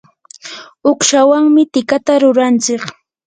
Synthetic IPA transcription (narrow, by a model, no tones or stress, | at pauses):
oχʃawaŋmɪt̪ɪkat̪aɾʊɾant͡sɪχ